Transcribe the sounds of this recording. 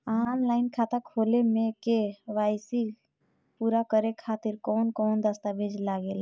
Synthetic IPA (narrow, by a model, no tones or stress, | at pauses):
anlaɪnkʰat̪akʰolemekeʋajsi | puɾakəɾekʰat̪iɾkɔnkɔːnd̪əst̪abed͡ʒlaɡel